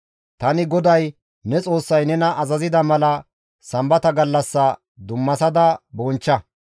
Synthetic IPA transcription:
t̪ɐnɪɡɔd̪ɐj | nɛt͡sʼo̞ːsːɐjnɛnɐʔɐzɐzɪd̪ɐmɐlɐ | sɐmbɐt̪ɐɡɐlːɐsːɐ | d̪ʊmːɐsɐd̪ɐboːnt͡ʃːɐ

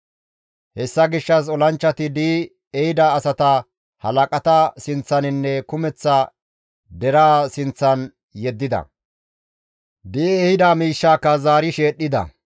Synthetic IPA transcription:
hɛsːɐɡɪʃːɐs̬ɔlɐnt͡ʃːɐt̪ɪd̪iː | ɛhɪd̪ɐːsɐt̪ɐ | hɐlɐkʼɐt̪ɐsɪnt͡sːɐnɪnːɛkʊmɛt͡sːɐ | d̪ɛɾaːsɪnt͡sːɐn | jɛd̪ːɪd̪ɐ̰ | d̪ɪɛhɪd̪ɐmiːʃːaːkːɐzaːɾɪʃe̞ːɗːɪd̪ɐ̰

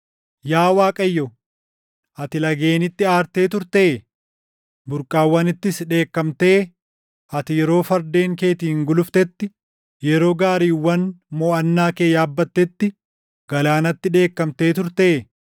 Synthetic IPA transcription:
jaːwaːkʼɐjːɔ | ʔɐt̪ɪlɐɡe̞ːnɪt̪ːɪaːɾt̪e̞ːt̪ʊɾt̪eː | bʊɾkʼːaːwːɐnɪt̪ːɪsᶑe̞ːkːɐmt̪e̞ː | ʔɐt̪ɪjɛɾo̞ːfɐɾd̪e̞ːŋke̞ːt̪iːŋɡʊlʊft̪ɛt̪ːɪ | jɛɾo̞ːɡaːɾiːwːɐnmoːɐnːaːke̞ːjaːbːɐt̪ːɛt̪ːɪ | ɡ̥ɐlaːnɐt̪ːɪᶑe̞ːkːɐmt̪e̞ːt̪ʊɾt̪eː

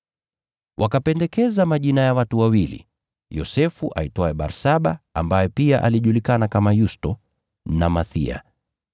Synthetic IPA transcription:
wʔakapɛndɛkɛzamaʄinajawatuwawilḭ | jɔsɛfuʔa̰itɔɛɓa̰ɾsaɓaambajɛpiaʔa̰liʄulikanakamajustɔ | namaθḭa̰

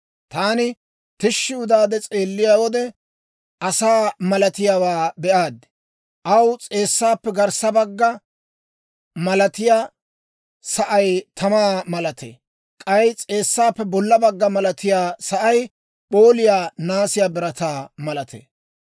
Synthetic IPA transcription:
t̪aːnɪ | t̪ɪʃːɪʊd̪aːd̪ɛt͡sʼe̞ːlːɪjaːwɔd̪ɛ | ʔɐsaːmɐlɐt̪ɪjaːwaːbɛʔaːd̪ | ʔɐwt͡sʼe̞ːsːaːpːɛɡɐɾsɐbɐɡːɐ | mɐlɐt̪ɪjaː | sɐʔɐjt̪ʰɐmaːmɐlɐt̪ḛː | kʼɐjt͡sʼe̞ːsːaːpːɛbɔlːɐbɐɡːɐmɐlɐt̪ɪjaːsɐʔɐj | ɓo̞ːlɪjaːnaːsɪjaːbɪɾɐt̪aːmɐlɐt̪ʰḛː

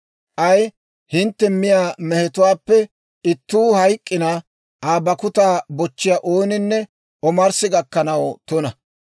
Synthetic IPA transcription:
ʔɐj | hɪnt̪ːɛmːɪjaːmɛhɛt̪ʊwaːpːɛ | ɪt̪ːuːhɐjkʼːɪna | ʔaːbɐkʊt̪aːbɔt͡ʃːɪjaʔoːnɪnːɛ | ɔmɐɾsɪɡɐkːɐnɐwt̪ɔnɐ

